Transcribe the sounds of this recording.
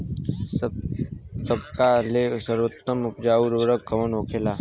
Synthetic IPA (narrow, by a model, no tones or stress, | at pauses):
səb̚kalesəɾwət̪ːəmʊpd͡ʒaːuɾoɾəkkːɐʋənoːkʰelaː